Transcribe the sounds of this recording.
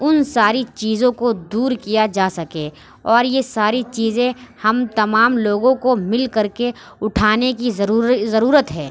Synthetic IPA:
ʊnsaːɾit͡ʃiːzõkod̪uːɾkijad͡ʒaːsɐkẽː | ɔːɾjesaːɾit͡ʃiːzẽhɐmt̪ɐmaːmloːɡõkomɪlkɐɾke | ʊʈʰaːnekizɐɾuːɾət̪ɦɛː

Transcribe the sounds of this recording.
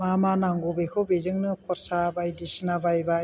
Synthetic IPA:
mamanaŋɡubekʰɔbezɯŋnɯkʰɔɾsabajdisinabajba

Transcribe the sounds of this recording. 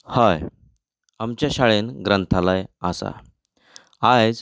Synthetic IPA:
haj | amt͡ɕjaɕaɭenɡɾənt̪ʰalajasa̰ | ad͡z

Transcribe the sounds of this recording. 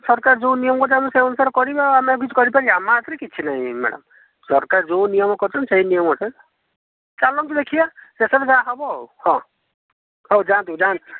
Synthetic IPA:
sɔɾkaɾd͡ʒõwnijɔmɔkɔɾt͡ʃʰamseɔnusaɾkɔɾibaamak̬it͡ʃʰi̥kɔɾipaɾiamat̪ɾekit͡ʃʰinaĩma̰ɽʌ̰m | sɔɾkaɾd͡ʒownijɔmɔkɔɾt͡ʃʰɔnseinijɔmkɔt͡ʃʰɔ | t͡ʃalɔŋt̪ɔd̪ekʰibasesɔbd͡ʒaɦɔbɔhɔ̃ | hod͡ʒant̪ud͡ʒan

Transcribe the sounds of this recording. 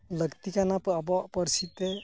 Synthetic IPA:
ləɡt̪ikanapːbɔpəɾsit̪e

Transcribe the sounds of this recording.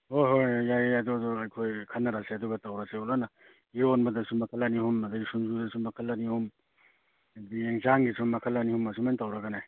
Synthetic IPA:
hoɦojjajadudɔɐjkʰojkʰɐnːɐɾaseɐduɡɐtawɾasealana | ionbɐdɐsumɐkʰɐlanihumɐdaɡisumzudɐsumɐkʰɐlːanihum | bieŋzaŋɡisumɐkʰɐlːanihumːɐs̬umantawɾaɡanaj

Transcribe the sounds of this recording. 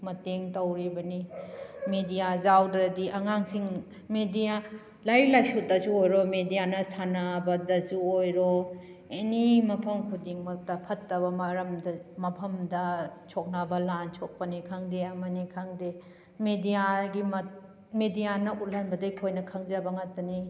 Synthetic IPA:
mɐteŋtɐwɾibɐnimedijazawdɾɐdiʔɐŋaŋsiŋ | medija | lajlajsutɐsuojɾomedijanɐsanabɐdɐsuojɾo | enimɐpʰɐmkʰudiŋmɐk̚tɐpʰɐtːɐbɐmɐɾɐmdɐmɐpʰɐmdɐt͡ʃʰɔk̚nabɐlant͡ʃʰɔk̚pɐnikʰaŋdeɐmɐnikʰaŋde | medijaɡimɐt | medijanɐʔut̚lɐnbɐdakʰojnɐkʰɐŋzɐbɐŋatːɐni

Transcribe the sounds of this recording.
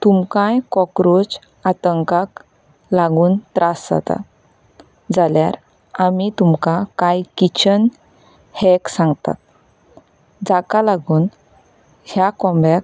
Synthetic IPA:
t̪umkãjkɔkɾod͡z | at̪əŋkak | laɡuːnt̪ɾasd͡za̰t̪a̰ | d͡zaljaɾ | amit̪umkakajkit͡ɕən | hɛksãŋɡt̪a̰t̪̚ | d͡zakalaɡuːn | hjakɔ̃mbak

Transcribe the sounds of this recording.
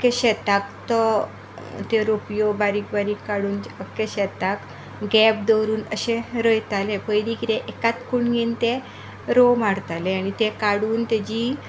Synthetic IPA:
əkeɕɛt̪akt̪ɔ | t̪eɾopjobaɾiːk̚baɾiːkːaɽuːnd͡ʑəkːeɕɛt̪ak | ɡɛb̚d̪əɾuːnəɕẽɾəjt̪alepəjdikit̪ẽʔekat̪kuɳɡĩnt̪e | ɾomaɽt̪aleaɽ̃it̪ekaɽuːnt̪ed͡ʑi

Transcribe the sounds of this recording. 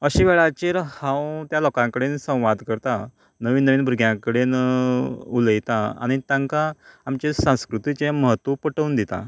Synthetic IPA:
əɕiʋɛɭat͡ɕeɾhãwt̪jalɔkãŋkəɽensə̃w̃ʋad̪kəɾt̪a | nəʋiːnːəʋiːnbʱɾuɡʱjãkəɽen | uləjt̪aa̰ɽ̃it̪ãŋkaːmt͡ɕesãw̃skɾut̪it͡seməɦət̪ʋəpəʈəund̪it̪a̰

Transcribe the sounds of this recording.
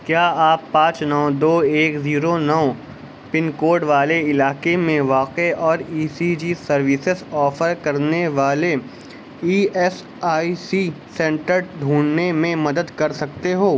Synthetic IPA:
kjaːaːpːãːt͡ʃnɔːd̪oːeːkziːɾonɔː | pɪnkoːɾɖʋaːleɪlaːkemẽʋaːqeɔːɾiːsid͡ʒiːsɐɾʋɪsɪzɔːfəɾkɐɾneʋaːle | iːɛs | aːisi | sɛ̃ːɳʈəɾɖʱuːɳnemẽmɐd̪əd̪kɐɾsɐk̚t̪eɦoː

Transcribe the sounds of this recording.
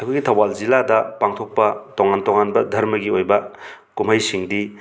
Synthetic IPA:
ɐkʰujɡitʰɐwalziladɐpaŋtʰok̚pɐtoŋantoŋanbɐdʱɐɾmɐɡiojbɐ | kumɦɐjsiŋdi

